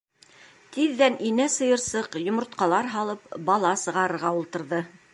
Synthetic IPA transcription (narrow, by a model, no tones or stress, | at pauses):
t̪iðːæninæsɤ̆jɤ̆ɾsɤqjŏmŏɾt̪̚qɑlˠɑɾɦɑlˠɤpbɑlˠɑsɤ̆ʁɑɾɤ̆ɾʁɑulˠt̪ɤ̆ɾðɤ